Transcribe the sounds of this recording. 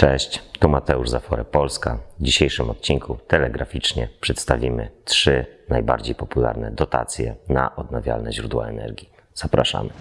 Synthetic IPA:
t͡ʂɛɕt͡ɕt̪umat̪ɛuʐzafɔɾɛpɔlskavd͡ʑiɕejʂɘmɔt̪̚t͡ɕinkʰut̪ɛlɛɡɾafʲit͡ʂɲɛpʂɛt̪st̪avʲimɘtʂɘnajbaɾd͡ʑejpɔpulaɾnɛd̪ɔt̪a̰t̪sʲjɛnaʔɔd̪navʲja̰lnɛʑɾud̪wa̰ɛnɛ̰ɾɡʲji | z̥apɾaʂa̰mɘ

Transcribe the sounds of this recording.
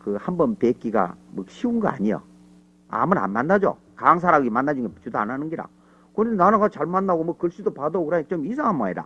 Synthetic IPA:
kɯhambʌnpek͈iɡa̰mɯk̚ɕʰiunɡʌa̰ɲijo̰ | a̰mɯna̰nmanːad͡ʑo̰ | kaŋs̬ʰaɾaɡimanːad͡ʑiŋɡet͡ɕudoa̰nanɯnɡiɾa̰ | kɯnnanaɡat͡ɕaɭmanːaɡomwʌkɯɭɕ͈idopadookɯɾait͡ɕomisʰaŋɦamaiɾa̰

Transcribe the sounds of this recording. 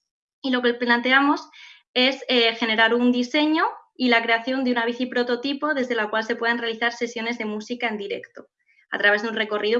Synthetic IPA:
ilo̞keplant̪e̞amo̞s | e̞sexe̞ne̞ɾaɾund̪ise̞ɲo̞ilakɾe̞aθjo̞nd̪eunaβ̞iθipɾo̞t̪o̞t̪ipo̞ð̞e̞zð̞e̞lakwalse̞pwe̞ðe̞nre̞aliθaɾse̞sjo̞ne̞zðe̞musikae̞nd̪iɾe̞̰kt̪o̞ | a̰t̪ɾaβe̞zðunre̞ko̞riðo

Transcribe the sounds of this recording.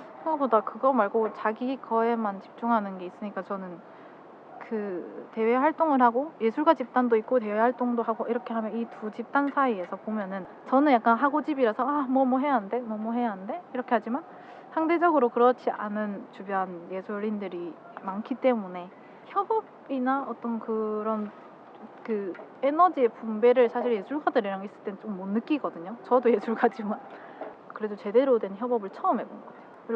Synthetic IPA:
ʌɡodakɯɡʌmaɭɡot͡ɕaɡikʌemant͡ɕi̥p̚t͡ɕ͈uŋɦanɯnɡe̞is͈ɯɲik͈at͡ɕʌnɯn | kɯte̞we̞ɦaɭt͈oŋɯɭhaɡoje̞sʰuɭɡat͡ɕip̚t͈andoik̚k͈ote̞wehaɭt͈oŋdoɦaɡoʔiɾʌkʰe̞ɦamjʌnitut͡ɕip̚t͈ansʰaie̞sʰʌpomjʌnɯn | t͡ɕʌnɯnjak͈anɦaɡod͡ʑibiɾasʰʌamwʌmwʌɦe̞jaɦnde̞mwʌmwʌɦe̞jaɦɯnde̞iɾʌkʰe̞had͡ʑiman | sʰaŋde̞d͡ʑʌɡɯɾokɯɾʌt͡ɕʰiʔa̰nɯnt͡ɕubjʌɦanje̞sʰoɾindɯɾi | mankʰit͈e̞mune̞ | çjʌbʌb | inaʌt͈ʌnkɯɾʌn | kɯe̞nʌd͡ʑie̞pumbe̞ɾɯɭsʰaɕ̬ʰiɭje̞d͡ʑuɭɡadɯɾiɾaŋis͈ɯɭt͈ent͡ɕ͈omːʌnːɯk͈iɡʌdɯɲot͡ɕʌdoje̞d͡ʑuɭɡad͡ʑiman | kɯɾe̞dot͡ɕe̞de̞ɾodwe̞nçjʌbʌbɯɭt͡ɕʰʌɯmɦe̞bonɡʌ

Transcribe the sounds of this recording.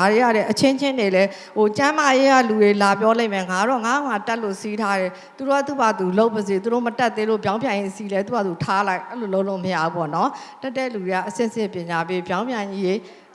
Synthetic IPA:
aɹea̰lɛʔət͡ɕʰɪ̃ɲt͡ɕʰɪ̃ndelɛ | hot͡ɕãmajeɣa̰luɾelapjɔlẽɪ̃mɛŋaɾɔŋa̰omatɛʔlo̰sitʰaɾɛ | t̪uɔt̪ṵbat̪uloʊpbəzet̪uɾo̰mətɛt̪ːẽlo̰bjãʊ̃mbjãjɪ̃ʔsilɛt̪ṵat̪utʰalaɪʔɛloloʊʔloməja̰upɔ̰nɔtatːɛlueaʔəsɪ̰̃ʔəsɪ̰̃pjɪ̃ɲapebjãʊ̃mjãɲije

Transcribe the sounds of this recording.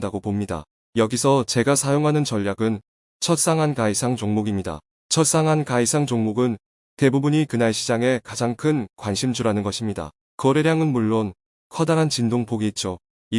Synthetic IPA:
daɡopomɲida̰ | jʌɡisʰʌt͡ɕe̞ɡasʰajoŋɦanɯnt͡ɕʌʎːjaɡɯn | t͡ɕʰʌt̚s͈aŋɦankaisʰaŋt͡ɕoŋmoɡimɲida̰ | t͡ɕʰʌt̚s͈aŋɦankaisʰaŋt͡ɕoŋmoɡɯn | te̞bubuɲikɯnaɭɕʰid͡ʑaŋe̞kad͡ʑaŋkʰɯnkwanɕʰimd͡ʑuɾanɯnɡʌɕʰimɲida̰ | kʌɾeɾjaŋɯnmuɭːon | kʰʌdaɾɦant͡ɕindoŋpoɡiit̚t͡ɕ͈o | i

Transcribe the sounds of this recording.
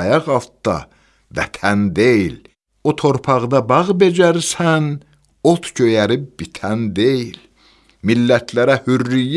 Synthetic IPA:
jɑʁɑlˠt̪̚d̪ɑ̰ | væ̰t̪ʰænd̪ejil | ot̪ʰo̞ɾpʰɑʁd̪ɑbɑʁbe̞d͡ʒæɾsæn | ot̪ʰɟøjæɾib̚bit̪ʰænd̪ejil | milːæt̪ʰlæɾæhyrːij

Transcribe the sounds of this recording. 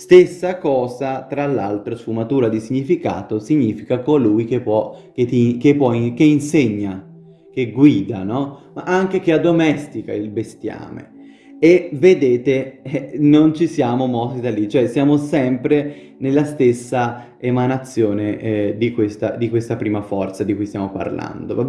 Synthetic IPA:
st̪esːakɔːzat̪ɾalːa̰lt̪ɾosfumat̪uːɾad̪isiɲːifika̰ːt̪osiɲːiːfikakolujkepːwɔket̪ikepːwɔikeinseɲːa | k̟eɡwiːd̪a̰nɔ | ʔaŋk̟ek̟ead̪omɛst̪ika̰ilbest̪ja̰ːmḛ | eved̪eːt̪eɛnont͡ʃisjaːmomɔsid̪alːit͡ʃoɛsjaːmosɛmpɾe | nelːast̪esːa | emanat̪sːjoːned̪ikwest̪ad̪ikwest̪apɾiːmafɔrt̪sad̪ikujst̪jamopa̰rla̰nd̪o̰vab

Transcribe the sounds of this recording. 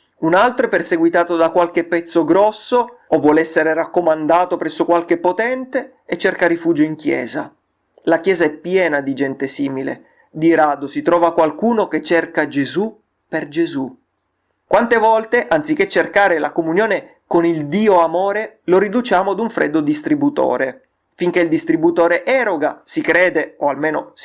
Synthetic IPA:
unalt̪ɾoɛpːerseɡwit̪aːt̪od̪akwalk̟epːɛt̪sːoɡɾɔsːoovːwɔlɛsːeɾerakːomand̪aːt̪opɾɛsːokwalk̟epːot̪ɛnt̪eː | t͡ʃːerkaɾifuːd͡ʒoiŋk̟jɛ̰ːza | lakjɛːzaɛpːjɛːnad̪id͡ʒɛnt̪esiːmilḛ | d̪iɾaːd̪osit̪ɾɔːvakwalkuːnoket͡ʃːerkad͡ʒezu | perd͡ʒezu | kwant̪evɔlt̪eʔant̪sik̟ːet͡ʃːerkaːɾela̰komunjoːne | konild̪iːoamoːɾeloɾid̪ut͡ʃaːmod̪uɱfɾɛ̰d̪ːod̪ist̪ɾibut̪o̰ːɾe | fiŋk̟eild̪ist̪ɾibut̪oːɾeʔɛɾoɡasikɾeːd̪eoalmeːno̰s

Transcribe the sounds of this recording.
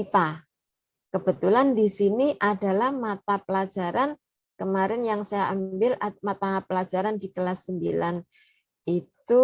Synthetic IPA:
pa | kəb̥ə̤t̪ulandisiniʔada̤lahmat̪apəlḁd͡ʒ̥a̤ɾan | kəmaɾɪnjaŋsajaʔambɪlamat̪apəlad͡ʒ̥aɾandikəlasːəmbilan | it̪u

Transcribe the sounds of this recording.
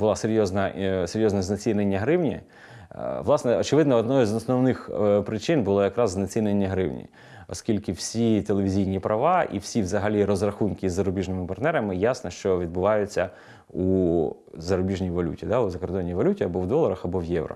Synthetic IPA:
bʊlˠɑseɾʲjɔznɐseɾʲjɔznɛznɐt͡sʲinenʲːɐɦɾɪwnʲḭ | ʋlˠɑsnɛɔt͡ʃɪʋɪd̪nɐɔd̪nɔzɔsnɔwnɪxpɾɪt͡ʃɪnbʊlˠɔjɐkɾɑzznɐt͡sʲinenʲːɐɦɾɪwnʲḭ | ɔskʲilʲkɪwsʲit̪elˠeʋʲizʲijnʲipɾʔɐʋɑʔḭwsʲiʋzɐɦɐlʲiɾɔzrɐxunkɪzːɐɾʊbʲiʒnɪmɪpɐrt̪nɛɾɐmɪjasnɔʃt͡ʃɔʋʲid̪̚bʊʋɑjʊt͡sʲːɐ | u | zɐɾʊbʲiʒnʲijʋɔlʲṵtʲid̪ɑʊzɐkɔrɾd̪ɔnʲːijʋɔlʲutʲiɐbɔʋd̪ɔlˠɐɾɐxɐbɔʋjɛʋɾɔ̰

